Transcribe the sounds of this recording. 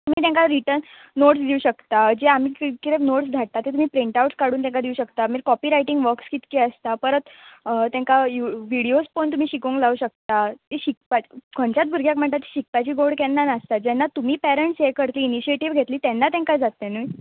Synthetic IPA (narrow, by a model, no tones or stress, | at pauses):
t̪um̤iːt̪̬ãŋkaɾiʈəɾnː | oʈsd̪iuɕəkt̪ad͡ʑeam̤iːkkit̪efnoʈsd̪ʱaʈ̚t̪at̪ːet̪um̤iːpɾiɳʈauʈskaɽuːnt̪jɛ̃ŋkad̪iuɕəkt̪amiːɾkɔpiːɾaiʈiŋɡʋəɾkskit̪keəst̪apəɾət̪t̪jɛ̃ŋkajuʋiɽiospont̪um̤iːɕikũŋklauːɕək̚t̪at̪eɕik̚pat͡ɕkʰɔɳt͡ɕat̪̚bʱuɾɡʱjakm̤əɳt̪at̪ːi̥ɕik̚pat͡ɕiːɡoɽkɛnːanast̪ad͡ʑɛnːat̪um̤iːpɛɾeɳʈsekəɾt̪liːniɕieʈiʋɡʱet̪liːt̪ɛnːat̪ɛ̃ŋkad͡zat̪ːenuj